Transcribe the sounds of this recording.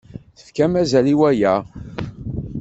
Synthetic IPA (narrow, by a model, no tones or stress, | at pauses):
θə̥fkæmæzæliwæjæ